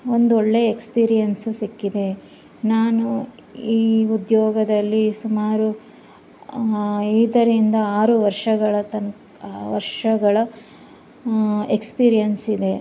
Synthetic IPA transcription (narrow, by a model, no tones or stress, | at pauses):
ond̪uoɭːe̞ekspiːɾijɐnsusikːid̪e̞ | naːnu | iːud̪jɔːɡɐd̪ɐlːisumaːɾu | iːd̪ɐɾind̪ɐaːɾuʋɐɾʂɐɡɐɭɐt̪ɐn | ʋɐɾʂɐɡɐɭɐ | ekspiːɾijɐnsid̪e̞